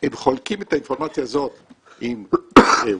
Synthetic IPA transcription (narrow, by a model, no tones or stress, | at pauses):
emχo̞lkimet̪ainfoʁmat͡sjaːzo̞t̪ | ime